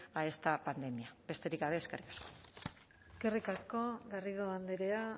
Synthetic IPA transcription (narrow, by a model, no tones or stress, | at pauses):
ae̞st̪apand̪e̞miab̥e̞st̪e̞ɾikɡaβe̞ːske̞rikḁsko̥ | eskerikasko̞ɣariðoand̪eɾea